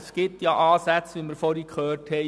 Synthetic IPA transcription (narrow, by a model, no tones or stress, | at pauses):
sɡ̥ɪtjɑʔɑːsæt͡sʋiːməɾfɔɾikχøːrthɛ